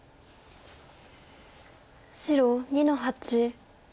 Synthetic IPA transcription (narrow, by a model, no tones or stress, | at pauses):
ɕiɾoɲinoɦat͡ɕi